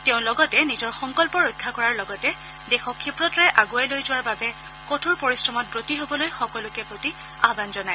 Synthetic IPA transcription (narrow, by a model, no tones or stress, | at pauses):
teʊ̃lɔɡɔtɛnizɔɹxɔŋkɔlpɔɹojkʰːakɔɹaɹlɔɡɔtɛ | dexɔkʰːepɹɔtɔɹɛʔaɡoalojzʊwaɹbabɛ | kotʰuɹpɔɹisɹɔmɔt̚bɹotiɦobɔlojxɔkɔlʊkɛpɹoti | aɦbanzɔnaj